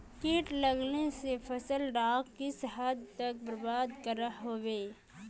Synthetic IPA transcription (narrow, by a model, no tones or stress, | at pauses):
kiːʈlɐɡnesefʰɐsəlɖaːkkɪsɦəd̪t̪ɐk̚bəɾbaːd̪kəɾəɦɦoːʋeː